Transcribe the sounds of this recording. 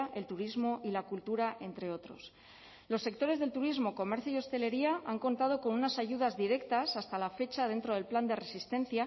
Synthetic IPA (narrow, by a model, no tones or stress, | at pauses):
e̞lt̪uɾizmo̞ʔilakult̪uɾaʔe̞nt̪ɾe̞o̞t̪ɾo̞̰s | lo̞sːe̞k̚t̪o̞ɾezðe̞lt̪uɾizmo̞ko̞me̞ɾθjoijo̞st̪e̞le̞ɾiaaŋko̞nt̪að̞o̞ko̞nunasaʝuðazðiɾe̞kt̪asast̪alafe̞t͡ʃað̞e̞nt̪ɾo̞ð̞e̞lpland̪e̞re̞sist̪ẽ̞n̟θja